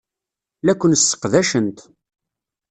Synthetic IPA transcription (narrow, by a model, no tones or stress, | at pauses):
lækʷːənəsːə̥qðæʃənt̪